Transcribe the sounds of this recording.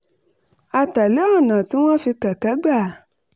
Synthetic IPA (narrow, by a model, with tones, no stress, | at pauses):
a˨ta˨le˨˦ɔ˦˨nã˨ti˦w̃ɔ̃˦fi˧kɛ˨kɛ˨˦ɡ͡ba˦˨